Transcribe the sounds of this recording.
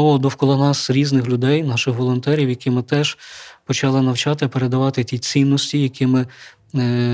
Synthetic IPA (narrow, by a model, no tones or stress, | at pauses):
ɔʋɔd̪ɔwkɔlˠɔnɑsɾʲiznɪxlʲʊd̪ɛjnɑʃɪxʋɔlˠɔnt̪ɛɾʲiwjɐkʲɪmɪt̪ɛʒpɔt͡ʃɑlˠɪnɐwt͡ʃɑt̪ɪɐpeɾed̪ɐʋɑt̪ɪtʲit͡sʲinːɔsʲtʲijɐkɪmɪ